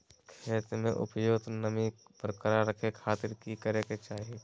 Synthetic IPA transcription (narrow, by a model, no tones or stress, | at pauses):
kʰeːt̪ɾmẽʔʊ̰pjoːɡt̪nəmipəɾkɐɾaɾːəkʰekʰaːt̪ɪɾkikəɾeket͡ʃaːɦie